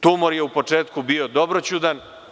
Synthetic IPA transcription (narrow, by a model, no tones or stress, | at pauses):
t̪umoɾjeupo̞t͡ʂeːt̪kubio̞d̪o̞bɾot͡ɕud̪an